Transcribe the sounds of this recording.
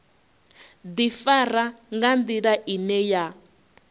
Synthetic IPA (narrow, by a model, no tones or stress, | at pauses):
d̪ifaraŋɡand̪iɺaʔinɛja